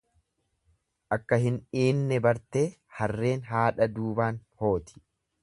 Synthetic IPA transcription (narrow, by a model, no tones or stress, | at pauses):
ʔɐkːɐhɪniːnːɛbɐɾt̪eːhɐrːe̞ːnɦaːᶑɐd̪uːbaːnho̞ːt̪ʰɪ̥